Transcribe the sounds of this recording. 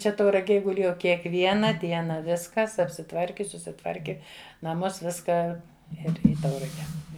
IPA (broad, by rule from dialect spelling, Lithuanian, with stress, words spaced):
ˈt͡ʃʲɛ tɐʊrɐˈɡʲeːj ɡʊˈlʲeːjɛʊ kʲiɛkˈʋʲiɛnɐ ˈdʲiɛnɐ ˈʋʲɪskɐs ɐpʲsʲɪˈtʋɐrʲkʲɪ sʊsʲɪˈtʋɐrʲkʲɪ nɐˈmuɔs ˈʋʲɪskɑː ˈɪr ˈiː ˈtɐʊrɐɡʲɛ